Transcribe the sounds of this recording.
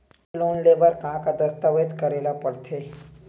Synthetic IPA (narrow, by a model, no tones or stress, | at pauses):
loːnleːʋəɾkãːkad̪əst̪aʋet̪kəɾeːlapəɽt̪ʰeː